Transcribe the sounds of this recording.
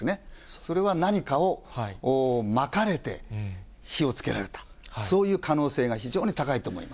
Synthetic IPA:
neso̞ɾe̞β̞anaɲ̟ikao̞ː | makaɾe̞t̪e̞̰ | çio̞t͡sɨ̥ke̞ɾa̰ɾe̞t̪ḁ | so̞ːjɯ̟ːkano̞ːse̞ːɡaçiʑo̞ːɲ̟it̪akait̪o̞ːmo̞̰ḭma

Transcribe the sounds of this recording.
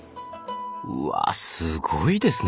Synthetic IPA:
a̰sɨɡoid̪e̞sɨn

